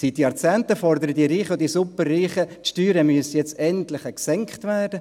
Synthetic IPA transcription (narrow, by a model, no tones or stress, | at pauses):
sitjɑɾt͡sæːntəfɔrd̪əɾədiːɾiːχəʊd̥iːsupərːiːχətʃtyːɾəmyəsjɛt͡stɛntlɪχɛksɛŋkχtvæːɾdə